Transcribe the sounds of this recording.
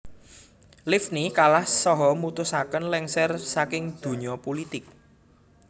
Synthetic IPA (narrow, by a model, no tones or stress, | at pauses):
lɪfnikalahsɔɦɔmut̪ʊsakənlɛŋsɛrsakɪŋd̪̥ṳɲɔpolit̪ɪk̚